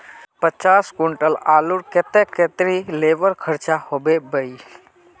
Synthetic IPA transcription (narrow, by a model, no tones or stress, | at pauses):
pət͡ʃaːskʊɳʈəlaːluɾket̪eket̪ɾileːʋəɾkʰəɾt͡ʃahobebəi